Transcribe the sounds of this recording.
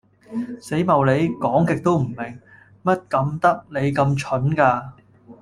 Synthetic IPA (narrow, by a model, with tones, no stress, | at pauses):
se˨˥jmɐ˨wle˨˧jkɔː˨˥ŋkɪ˨k̚t̪o˥wm̩˨˩mɪ˨˩ŋ | mɐ˥t̚kɐ˨˧mt̪ɐ˥k̚le˨˧jkɐ˧mt͡ʃʰɵ˨˥nkaː˧